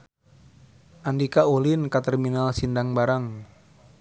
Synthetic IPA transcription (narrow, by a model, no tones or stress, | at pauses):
ʔandikaolinkat̪ɛrminalsindaŋbaɾaŋ